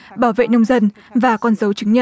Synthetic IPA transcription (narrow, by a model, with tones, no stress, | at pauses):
ɓaː˧˩wvḛ˧˨nə˧wŋ͡mzə˧n | vaː˨˩kɔ˧nzə˨˦wt͡ɕɨ˨˦ŋɲə˧